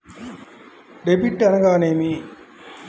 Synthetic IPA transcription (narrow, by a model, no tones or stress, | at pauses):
ɖebiʈːɐnɐɡaːneːmi